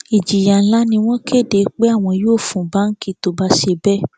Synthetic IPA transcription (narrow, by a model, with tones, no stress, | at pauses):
i˨d͡ʒi˨ja˨n̩˦la˦nĩ˧w̃ɔ̃˦ke˦˨de˨˧k͡pe˦a˦˨w̃ɔ̃˧˦joː˦˨fũ˨ba˦ŋ̩˦ki˦to˨˦ba˧ʃe˧bɛ˦˨